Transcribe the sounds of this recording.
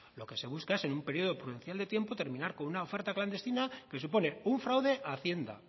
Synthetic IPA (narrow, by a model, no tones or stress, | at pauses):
lo̞ke̞se̞βuskaese̞numpe̞ɾio̞ð̞o̞pɾuðe̞nθjald̪e̞t̪je̞mpot̪e̞ɾmĩnaɾko̞nunaofe̞ɾt̪akland̪e̞st̪inake̞s̬upo̞ne̞uɱfɾawðe̞ʔaθje̞nd̪a̰